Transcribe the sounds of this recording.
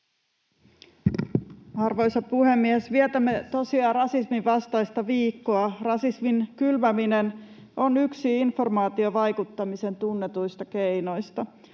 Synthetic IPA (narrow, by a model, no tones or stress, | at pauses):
ɑrʋo̞jsɑpuhe̞mːiesʋiet̪æmːe̞t̪o̞siɑrɑsismiʋɑst̪ɑjst̪ɑʋiːkːoɑrɑsisminkylmæminen | ʔo̞nyksiinfo̞rmɑːt̪io̞ʋɑjkut̪ːɑmise̞nt̪unːet̪ujst̪ɑkejno̞jst̪ɑ